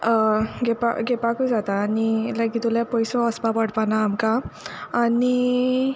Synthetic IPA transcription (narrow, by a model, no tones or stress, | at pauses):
ɡepa̰ɡepakud͡zat̪aːnilaɡit̪uljapɔjsɔəsbapəɽpanaːmkaː | ni